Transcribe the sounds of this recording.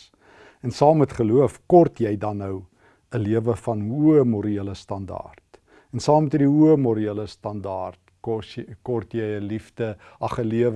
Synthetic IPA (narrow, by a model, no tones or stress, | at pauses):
ɛnsɑːmːɛtχəluəfkɔrtjɛjdɐnːəw | əliəvəfɐnuəmɔɾiiələstɐndɑ̰ːrt | ɛnsɑːmɛtədiuəmɔɾiələstɐndɑːrt | kɔrtjɛjəlifdəʔɐχəliəv